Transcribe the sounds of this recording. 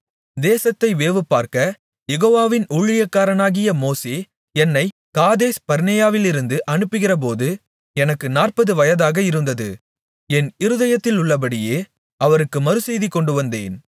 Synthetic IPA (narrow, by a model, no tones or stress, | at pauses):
d̪eːsɐt̪ːɐɪʋeːʋɯpːaːɾkɐ | jɛɣoːʋaːʋɪnuɻɪjɐkːaːɾɐnaːɣɪjɐmoːseː | ɛnːɐɪ | kaːðeːspɐɾnɐjaːʋɪlɪɾɯnd̪ɯʔɐɳɯpːɯɣɪrɐp̬oːðɯ | ɛnɐkːɯnaːrpɐðɯʋɐjɐðaːɣɐɪɾɯnd̪ɐðɯ̰ | ɛnɪɾɯðɐjɐt̪ːɪlʊɭːɐp̬ɐɽɪjeː | ɐʋɐɾɯkːɯmɐɾɯsɛjðikːɔɳɖɯʋɐnd̪ḛːn